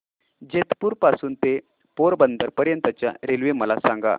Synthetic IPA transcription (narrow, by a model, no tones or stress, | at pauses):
d͡ʑet̪puːɾpasuːnt̪e | poɾbənd̪əɾpəɾjənt̪ət͡ɕja̰ɾelʋeməlasãŋɡa̰